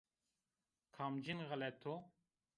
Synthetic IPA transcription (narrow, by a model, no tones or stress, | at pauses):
kʰaːmd͡ʒinɣəlɛt̪ʰo